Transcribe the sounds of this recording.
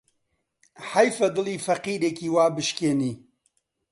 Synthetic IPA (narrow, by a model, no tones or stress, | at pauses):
ħajfɐd̪ɨliːfɐqiːɾeːkiːwaːbɨʃkeːniː